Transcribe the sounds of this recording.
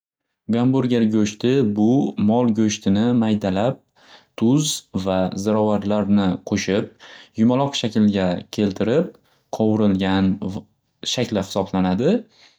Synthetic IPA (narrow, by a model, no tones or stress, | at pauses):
ɡambʊɾɡʲeɾɡʲɵʃt̪ʰɪbʊmɒlˠɡʲɵʃt̪ʰɪnɪmajd̪alap̚ | t̪ʰʊzvazɪɾɒvaɾlaɾnɪqʰoʃɪp̚jʊmalˠɒqʃakʲlɡʲakʲʰe̞lt̪ʰɪɾɪp̚ | qʰɒwɪɾɪlɡʲan | ʃakʲlɪhɪ̥sɒblanad̪ɪ